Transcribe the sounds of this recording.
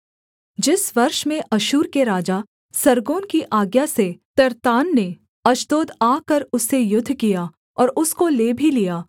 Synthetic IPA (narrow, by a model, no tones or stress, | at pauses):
d͡ʒɪsʋɐɾʃmẽʔɐʃuːɾkeɾaːd͡ʒa | sɐɾɡõːnkiʔaːɡjaset̪ɐɾt̪aːnːe | ɐʃt̪oːd̪aːkɐɾʊsːejʊd̪ʱːkija | ɔːɾʊskoleːbʱilijaː